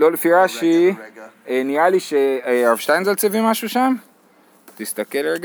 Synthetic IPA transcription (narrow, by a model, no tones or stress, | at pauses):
lolefiʁaʃi | enialiʃeaʁafʃt̪ajinzalt͡sevimaʃuʃam | t̪ist̪ɐkelɡ